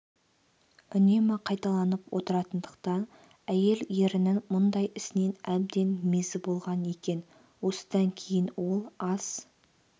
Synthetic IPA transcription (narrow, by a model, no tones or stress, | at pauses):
ʏne̞mɑqʰɑjt̪ɑlˠɑnəpwʔo̞̰t̪əɾɑt̪ənd̪əqt̪ɑn | æje̞ljeɾɪnɪŋmʊnd̪ɑjɪsɪne̞næb̚d̪e̞nmezʲɪbo̞lˠʁɑne̞kʲe̞n | wo̞sə̥d̪̥ɑŋkʲʰe̞jɪnwo̞lˠɑs